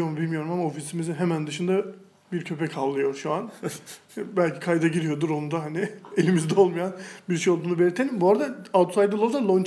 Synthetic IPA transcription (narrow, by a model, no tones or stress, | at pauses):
oɾmbilʲmijo̞ɾumamaofisimiziɦemænd̪ɯʃɯnd̪a | biɾcʰø̞pɛkʰallːˠɯjo̞ɾʃuan | bælʲcʰikʰajd̪aɟiɾijo̞d̪uɾo̞nud̪aɦanɪelʲimizd̪ɛo̞lˠmujanbiɾʃejolˠd̪uːnube̞lʲiɾt̪ʰenimbuaɾd̪aald̪t̪usajd̪ɯlˠod̪alˠont͡ʃ